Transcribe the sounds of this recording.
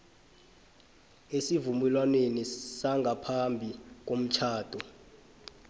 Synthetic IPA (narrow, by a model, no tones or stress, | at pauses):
esivumɛlwanenisaŋɡʱapʰambʱik̬om̩t͡ʃʰaːd̥ʱɔ